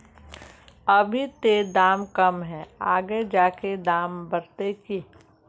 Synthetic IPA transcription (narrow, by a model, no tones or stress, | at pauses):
əbʱit̪ed̪aːmkɐmɦɛ̃ːaːɡed͡ʒaːked̪aːmbəɾt̪eki